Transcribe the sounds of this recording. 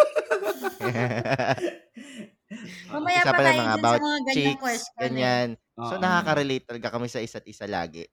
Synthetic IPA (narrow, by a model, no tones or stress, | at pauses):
ɐsapɐnɐmɐŋabawɐtɡt͡ʃiksɡɐɲan | sonɐkaːkɐɾɛlejt̪̚ːɐlɐɡakɐmɪsɐʔɪsat̪̚ʔɪsala̰ːɡɛ̰